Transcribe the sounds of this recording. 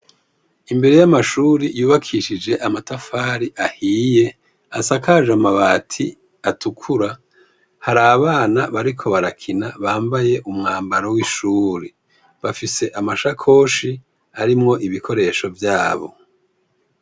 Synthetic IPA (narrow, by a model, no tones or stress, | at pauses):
imbe̞ɾe̞jamaʃuːɾijuːβakʰiʃid͡ʒe̞ʔamatafaːɾiʔahije̞ | asakaʒamaβaːtʰi | atʰukʰuɾa | haɾaβaːnaβaɾikʰo̞βaɾakʰinaβaːmbaje̞ʔumŋaːmbaɾowiʃuːɾi | βafise̞ʔamaʃakʰo̞ːʃi | aɾimŋo̞ʔiβikʰo̞ɾe̞ʃo̞vjaːβo̞̰